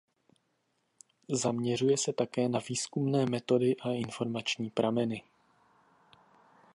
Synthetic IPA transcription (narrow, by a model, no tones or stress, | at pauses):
zamɲɛr̝ujɛsɛt̪akɛːnaviːskumnɛːmɛt̪o̞dɪʔaʔɪnfo̞ɾmat͡ʃɲiːpɾʔamɛnɪ